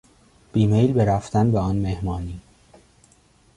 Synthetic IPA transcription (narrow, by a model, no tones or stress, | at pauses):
b̥iːmejlbeɾæft̪ænbeɒːnmehmɒːniː